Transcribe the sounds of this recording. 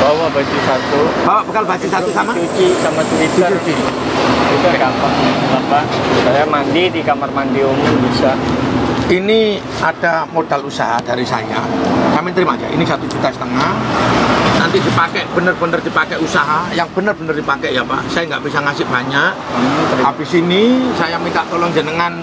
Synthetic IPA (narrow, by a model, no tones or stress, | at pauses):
bawabat͡ʃusat̪ub̥awaʔbəkalbat͡ʃisat̪usamaut͡ʃikamat̪uwit̪əut͡ʃi | it̪akampaŋabapaʔsajamandidikamarmandiomuŋbisa | ini | ad̥amodalusaɦad̥aɾisa̰ja̰sampɪnt̪əɾimad͡ʒa̰ʔḭnisat̪ud͡ʒut̪asə̥t̪əŋah | na̰nt̪idipakɛʔb̥ənərbənərdipakɛʔusaɦajaŋbənərbənərdipakɛʔjapa̰ʔsajaŋɡa̰ʔb̥isaŋasɪʔb̥aɲaʔ | abisinisajamint̪aʔt̪olɔŋd͡ʒənəŋan